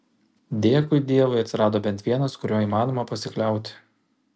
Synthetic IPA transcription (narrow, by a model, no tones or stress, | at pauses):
d̪ʲeɛkʊɪd̪ʲiɛʋʊɐt̪ʲsɪɾɑːd̪oːbʲɛnt̪ʲʋʲiɛnɐskʊɾʲoːiːmɑːnoːmɐpɐsʲɪklʲɛˑʊt̪ʲɪ̥